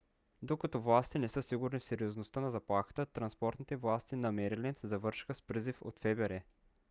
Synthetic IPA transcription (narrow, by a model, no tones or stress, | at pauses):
d̪okɐt̪ovlˠast̪inɛsɤsiɡʊɾnifsɛɾioznost̪ənɐzɐplˠaxə̥t̪ət̪ɾɐnspɔɾt̪nit̪ɛvlˠast̪inɐmɛɾilɛsɛzɐvɤɾʃxəspɾizifo̰t̪fɛbɛɾɛ